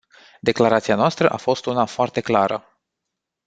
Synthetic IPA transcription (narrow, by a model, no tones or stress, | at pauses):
d̪e̞klaɾat̪sianoast̪ɾəʔafo̞st̪unafoart̪e̞klaɾə̰